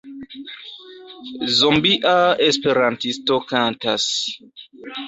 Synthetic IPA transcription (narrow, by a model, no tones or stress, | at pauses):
zombiʔaespeɾantistokanta̰s